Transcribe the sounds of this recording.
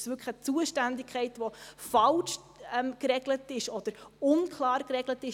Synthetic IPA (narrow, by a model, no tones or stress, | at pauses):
sʋʏkχət͡suəʃtændɪkχɛɪtʋofɑlʃ | ɛmkɾɛɡlətɪʃɔd̥əɾʊnkʰlɑːɾkrɛɡlətɪʃ